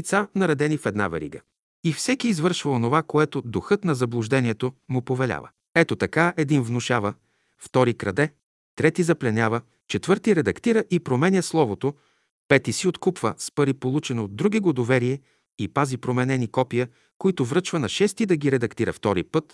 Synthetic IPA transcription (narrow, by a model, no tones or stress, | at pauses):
t̪sanɐɾɐd̪ɛnifɛd̪na̰vɛ̰ɾḭɡə̰ | ifsɛkiːzvɤɾʃvɐonovakoɛt̪od̪oxɤt̪nɐzɐblˠʊʒd̪ɛniɛt̪omʊpovɛlʲa̰və̰ | ɛt̪ot̪ɐkaɛd̪invnʊʃavə | ft̪ɔɾikɾɐd̪ɛ | t̪ɾɛt̪izɐplɛnʲavə | t͡ʃɛt̪vɤɾt̪iɾɛd̪ɐkt̪iɾəʔipɾomɛnʲəslˠɔvot̪o | pɛt̪isiot̪kupvəspɐɾipolˠut͡ʃɛnoːd̪d̪ɾuɡiɡod̪ovɛɾiɛ | ipazipɾomɛnɛnikɔpijə | koit̪ʊvɾɤt͡ʃvɐnɐʃɛst̪id̪ɐɡiɾɛd̪ɐkt̪iɾə̰ft̪ɔɾḭpɤt̪